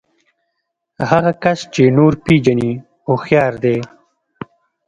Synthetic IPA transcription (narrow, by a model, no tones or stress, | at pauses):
haɣakast͡ʃenoɾpid͡ʒani | oxjɑːɾd̪e